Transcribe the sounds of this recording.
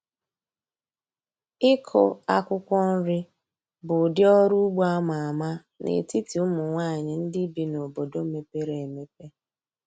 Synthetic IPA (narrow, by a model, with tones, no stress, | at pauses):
ɪ˦kʰɔ˦a˦kʷʊ˦kʷɔ˦n̩˦ɾɪ˦ | bʊ˨dɪ˦ɔ˦ɾu˦ɡ͡bu˦a˦ma˨a˨ma˦ | nʔḛ˨ti˦ti˨ʊ˦mʊ˨ŋʷa˦˨ɲɪ˨n̩˦dɪ˦bi˦no˨bo˨do˦me˦pe˦ɾe˨me˦pe˦